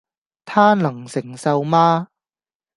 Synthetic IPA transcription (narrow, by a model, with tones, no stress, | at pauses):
t̪ʰaː˥nɐ˨˩ŋsɪ˨˩ŋsɐ˨˧wmaː˥